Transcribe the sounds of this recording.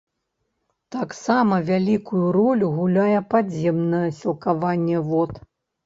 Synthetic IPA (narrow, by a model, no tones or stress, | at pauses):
t̪aksamɐvʲalʲikujuɾɔlʲuɣulʲajɛpad͡zʲjɛmnɐjɛsʲilˠkavanʲːɛvɔt̪